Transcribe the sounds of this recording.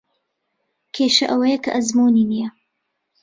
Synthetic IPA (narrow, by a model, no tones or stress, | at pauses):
kʰeːʃɐʔɐwɐjɐkʰɐ̰ʔɐzmuninijɐ